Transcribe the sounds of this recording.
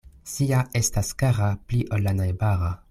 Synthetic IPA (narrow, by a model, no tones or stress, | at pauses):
siae̞staskaʁapliʔolːanajbaʁa